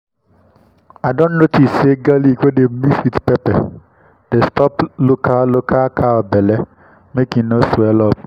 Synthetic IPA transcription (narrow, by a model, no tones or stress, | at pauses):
adon̩notiseɡalikʷedem̩misitpepɛ̰ | destɔplokalokakʰaɔbɛlɛ | mekĩnosuɛlɔp